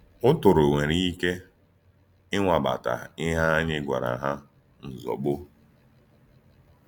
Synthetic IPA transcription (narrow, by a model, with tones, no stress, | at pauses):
ʊ˦tʊ˨ɾo˨ŋʷe˨ɾi˦i˦ke˦ | ɪ˦ŋʷa˨ɓa̰˨ta̰˨ɪ˦ɦa˦a˦ɲɪ˦ɡʷa̰˨ɾa̰˨ɦa˦ | n̩˨zɔ̰˨k͡pʊ˦